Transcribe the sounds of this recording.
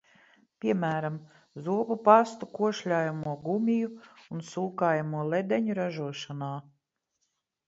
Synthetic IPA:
pʲiɛmæːɾam | zuɔpupast̪ukuɔʃʎʲaːjamuɔɡumʲijuunsuːkaːjamuɔlˠed̪ɛɲuɾaʒuɔʃanaː

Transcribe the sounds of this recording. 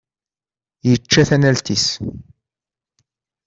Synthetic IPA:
jət͡ʃːæθænælt̪is

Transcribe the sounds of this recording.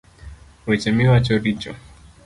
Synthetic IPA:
wɛt͡ʃɛmiwat͡ʃɔɾit͡ʃɔ̰

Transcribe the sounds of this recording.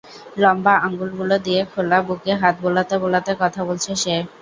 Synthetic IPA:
lɔmbaɔŋɡulɡulod̪iekʰolabukeɦat̪̚bolat̪ebolat̪ekɔt̪ʰabolt͡ɕʰeʃe

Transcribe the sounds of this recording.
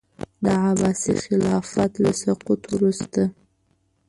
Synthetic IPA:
d̪əʕabɑsḭxɪlɑfat̪lasaqut̪wɾust̪a

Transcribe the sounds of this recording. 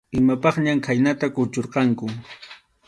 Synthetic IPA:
ɪmapɑχɲamkʰajnat̪akʊt͡ʃoɾqɑŋkʊ

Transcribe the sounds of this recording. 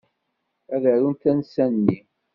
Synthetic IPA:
æðæɾunθænsænːi

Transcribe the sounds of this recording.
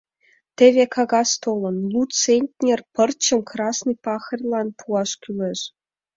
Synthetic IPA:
t̪ʲĕʋʲekʰɑɡɑst̪olʲˠɤ̆nlˠut͡senʲtʲnʲerpɤ̆rt͡ɕɤ̆mkrɑsnɨpɑxɤ̆rʲlˠɑnpʰuɑʂkʲylʲĕʂ

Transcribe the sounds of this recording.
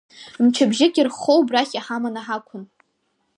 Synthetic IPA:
mt͡ʃʰabʒɪkʲʼirχowbraχʲaħamanaħakʷʰʊn

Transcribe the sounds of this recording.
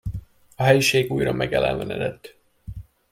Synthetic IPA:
ɒɦɛjiʃeːɡuːjrɒmʔɛɡjɛlɛ̰nvɛnɛd̪ɛt̪ː

